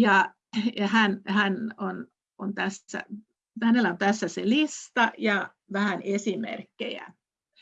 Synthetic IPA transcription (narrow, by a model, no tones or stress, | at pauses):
jɑ | jɑhænhænon | ont̪æsːæ̰ | hænelːæont̪æsːæselist̪ɑjɑ | ʋæhænesimḛrkːḛjæ̰